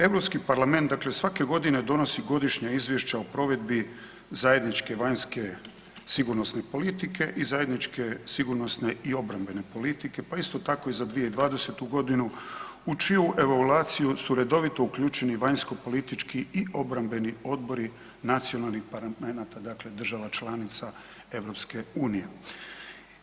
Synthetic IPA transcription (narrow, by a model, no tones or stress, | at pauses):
e̞ʋɾo̞pskipaɾlˠame̞nt̪d̪akle̞sʋake̞ɡo̞d̪ine̞d̪o̞no̞siɡo̞d̪iʃɲaizʋjeʃt͡ɕaopɾo̞ʋe̞d̪bi | zajed̪nit͡ʃke̞ʋaɲske | siɡuɾno̞sne̞po̞lit̪ike̞ʔizaje̞d̪nit͡ʃke̞siɡuɾno̞sne̞io̞bɾambe̞ne̞po̞lit̪ike̞paist̪o̞t̪ako̞izad̪ʋijeid̪ʋaːd̪e̞se̞t̪uɡo̞d̪inuut͡ʃiuʔe̞ʋoluaːt̪sijusuɾe̞d̪o̞ʋit̪o̞ukʎuːt͡ʃeniʋaɲsko̞po̞lit̪it͡ʃkiiʔo̞bɾambe̞nio̞d̪bo̞ɾi | nat̪sionalˠnixpaɾamenat̪ad̪akle̞d̪r̩ʒaʋat͡ʃlˠanit̪sa | e̞ʋɾo̞pske̞uːnije̞